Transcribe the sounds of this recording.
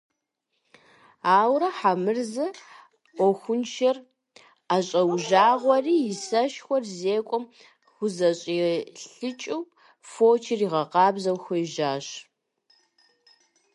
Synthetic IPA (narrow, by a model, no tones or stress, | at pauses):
aːwɾɐħamɨrzɨ | ɔxʷʊnʃʰɐr | aːɕʼɐwʒaːʁʷɔriːjɪsɐʃxʷɔrzeːkʷʼɔm | xʷʊzɐɕʼiɬɨt͡ʃʼɪwp | foːt͡ʃʰɪriʁɐqɑːbzɐwxʷɔʒaːɕ